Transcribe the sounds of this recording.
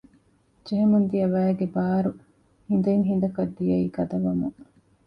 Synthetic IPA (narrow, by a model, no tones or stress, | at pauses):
d͡ʒeɦemund̪ijɐʋæːɡebaːɾu | hind̪ɐiŋɦind̪ɐkɐd̪ːijɐiːɡɐd̪ɐʋɐmuŋ